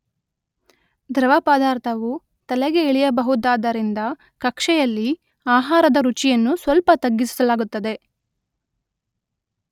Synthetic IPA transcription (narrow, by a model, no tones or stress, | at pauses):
d̪ɾɐʋɐpaːd̪aːɾt̪ʰɐʋu | t̪ɐlɛɡeːɭijɐbɐɦud̪ːaːd̪ɐɾind̪ɐ | kɐkʂɛjɐlːi | aːɦaːɾɐd̪ɐɾut͡ʃijɐnːusʋɐlpɐt̪ɐɡːisi̥sɐlaːɡut̪ːɐd̪e̞